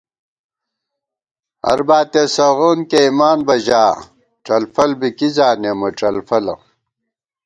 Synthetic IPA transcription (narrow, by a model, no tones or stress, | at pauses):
ɐ̰ɾbaːt̪esɐʁoːnkeimaːnbɐʑaː | ʈ͡ʂɐlfɐlbikizaːnemɐʈ͡ʂɐlfɐlɐ̰